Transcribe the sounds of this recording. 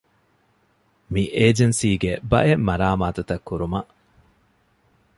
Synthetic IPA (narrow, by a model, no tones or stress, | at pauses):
miʔeːd͡ʒensiːɡebɐ̰ʔemːɐɾaːmaːt̪ut̪ɐkːuɾumɐʔ